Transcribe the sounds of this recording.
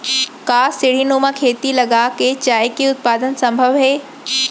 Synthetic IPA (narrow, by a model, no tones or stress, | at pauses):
kaːsɪɽ̤inoːmãkʰeːt̪ilɐɡaket͡ɕaːjkiʊt̪̚paːd̪ənsɐ̃mbʱəʋɦeː